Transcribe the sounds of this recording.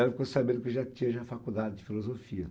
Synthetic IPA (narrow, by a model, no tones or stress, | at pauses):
fkosabẽnd̪ʊkeʒat̪ĩɐʒafakud̪ad͡ʒɪd͡ʒɪfilozofiɐ